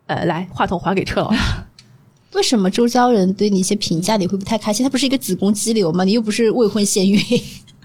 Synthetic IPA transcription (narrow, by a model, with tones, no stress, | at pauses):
ə̰˧la˧˥ɪxwa˥˩t̪ʰʊ˥˩ŋxwa˧˥ke˨˩ɪʈ͡ʂʰɤ˥˧l̰a˥ | we˥˩ɪʂə˧˥nmə˧ʈ͡ʂo˥ʊt͡ɕjɑ˥ʊɻə˧˥nt̪we˥˩ɪni˨˩˥jɛ˥pʰi˧˥ŋt͡ɕja˥˩ni˨˩xwpu˧˥t̪ʰkʰa˥ɪɕi˥˧t̪ʰa˥pʂɻə˧t͡sɹ̩˨˩kʊ˥ŋt͡ɕi˥ljo˧˥ʊmɐ˨˩˨jo˥˩ʊp̬ʂɻ̩˥˧we˥˧ɪxwə˥˧nɕjɛ˥˧ny˥˩